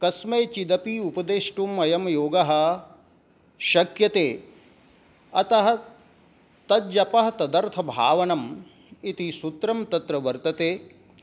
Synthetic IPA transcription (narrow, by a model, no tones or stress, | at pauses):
kɐsmeːt͡ʃid̪ɐpiupɐd̪eːʂʈumɐjɐmjoːɡɐɦɐ̆ | ʃɐkjɐt̪eː | ɐt̪ɐɦɐ̆ | t̪ɐd̪d͡ʒɐpɐɦɐt̪ɐd̪ɐɾt̪ʰɐbʱa̰ːʋɐnɐm | it̪isut̪ɾɐmt̪ɐt̪ɾɐʋɐɾt̪ɐt̪eː